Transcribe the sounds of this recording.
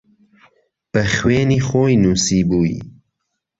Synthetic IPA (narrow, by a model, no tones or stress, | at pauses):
b̥əxweːniːxoːjnuːsiːbuːḭ